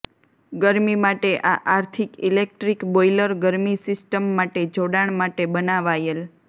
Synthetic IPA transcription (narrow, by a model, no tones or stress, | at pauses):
ɡəɾmimaʈeʔaʔaɾt̪ʰikilek̚ʈɾikbojləɾɡəɾmisɪsʈəmːaʈed͡ʒoɽaɳ̃maʈebənaʋajel